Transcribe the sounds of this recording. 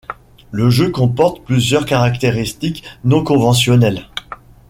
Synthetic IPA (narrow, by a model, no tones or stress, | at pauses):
ləʒøkɔ̃pɔʁt̪plyzjœʁkaʁakt̪eʁist̪iknɔ̃kɔ̃vɑ̃sjɔnɛl